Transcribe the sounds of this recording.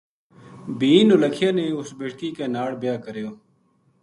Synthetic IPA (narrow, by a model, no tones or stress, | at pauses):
biːnʊləkʰɪjaːneːʊsbeːʈkiːkeːnaːɽbjaːkəɾjoː